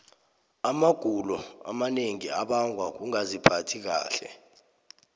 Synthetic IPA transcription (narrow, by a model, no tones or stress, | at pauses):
amaɡ̥ʱulɔa̰maneŋiaɓaŋʱwak̬uŋazipʰatʰik̬a̰ːɬɛ̰